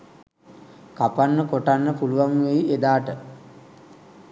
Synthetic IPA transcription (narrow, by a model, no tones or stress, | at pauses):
kapanːəkoʈanːəpuluʋaŋʋejied̪aːʈə